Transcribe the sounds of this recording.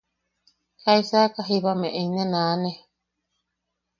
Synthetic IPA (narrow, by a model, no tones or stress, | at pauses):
kaisakaɦiβamẽʔeinẽnãːnẽ